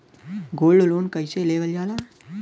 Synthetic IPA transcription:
ɡoːlɖlonkəjseleʋəld͡ʒaːla

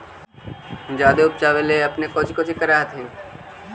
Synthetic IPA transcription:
d͡ʒaːd̪eʊp̚t͡ʃaʋeleɐpnekoːt͡ʃʰkot͡ʃʰikɐɾaːɦt̪ʰe

